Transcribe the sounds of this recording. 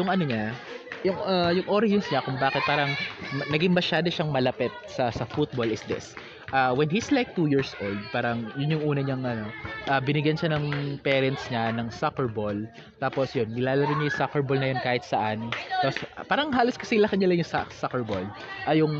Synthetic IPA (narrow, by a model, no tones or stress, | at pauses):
jʊŋʔɐnoɲa | jʊŋajʊŋʔo̞ɾɐɛnsɲɐkʊŋbaːkɪt̪̚paːɾɐŋnɐɡɪŋmɐʃaːd̪oʃɐŋmɐlɐpɛt̪̚sɐsɐfut̪̚bolɪsd̪ɪ̰s | ʔawɛnhislajk̚t̪uːjiːɹsʔold̪̚paːɾɐŋjʊnjʊŋʔuːnɐɲɐŋʔɐno̞ʔɐbɪnɪɡjɐnʃanɐŋpɛːɾɛnt̪sɲanɐŋsakɛɹbol | t̪aːposjonːɪlaːlɐɾɪɲɐjʊsakɛɹbolnɐjonkaːhɪt̪sɐʔant̪aːspaːɾɐŋɦaːloskɐ̥sɪlɐkɐnɲɐlɐŋjʊŋsa̰sakɛɹbol | ʔɐjʊŋ